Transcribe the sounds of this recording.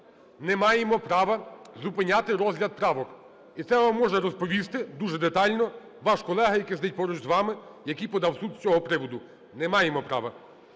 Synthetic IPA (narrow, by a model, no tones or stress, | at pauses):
nɛmɑjemɔpɾɑʋɐzʊpɪnʲat̪ɪɾɔzɦlʲɐd̪̚pɾɑʋɔk | it̪sɛʋɑmːɔʒɛɾɔspɔʋʲist̪ɪd̪uʒɛd̪et̪ɑlʲnɔ | ʋɑʃkɔlˠɛɦɐjɐkɪzd̪ɛjt̚ʲpɔɾʊt͡ʃzʋɑmɪjɐkɪjpɔd̪ɑwsud̪t͡sʲɔɦɔpɾɪʋɔd̪ʊ | nɛmɑjemɔpɾɑ̰ʋɐ